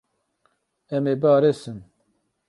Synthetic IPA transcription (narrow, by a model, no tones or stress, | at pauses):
ɛmeːbɑːɾesɨn